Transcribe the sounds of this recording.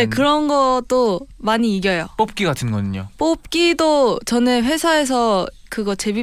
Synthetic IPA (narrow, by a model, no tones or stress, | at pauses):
ekɯɾʌnɡʌt͈omaɲiːɡjʌjop͈op̚k͈iɡatʰɯnɡʌɲiɲo̰p͈op̚k͈idot͡ɕʌneɸwe̞sʰae̞s̬ʰʌ | kɯɡʌt͡ɕe̞bi